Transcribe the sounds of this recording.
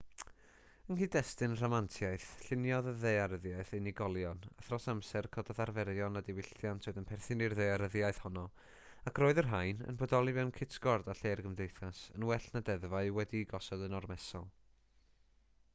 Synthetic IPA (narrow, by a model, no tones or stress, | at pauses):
ənhiːdɛstɨnr̥ɔmantʰjaɨθɬɪnjɔððejaɾəðjaɨθenɪɡɔlˠjɔna̰θrɔsamsɛrkʰɔdɔðarvɛɾjɔnadɪwɪɬjantʰoɨðənpʰɛrθɨnirðejaɾəðjaɨθhɔnɔ | akʰroːɨðərɦaɨnə̰nbɔdɔlˠivɛwnkʰɪtʰɡ̥ɔrdaɬeːrɡəmdejθasənwɛɬnadɛðvaɨwɛdiɡɔsɔdənɔrmɛsɔlˠ